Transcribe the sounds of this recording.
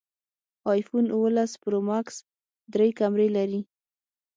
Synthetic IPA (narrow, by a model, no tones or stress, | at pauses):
ɑjfunuwəlaspɾomaks | d̪ɾejkamɾelaɾi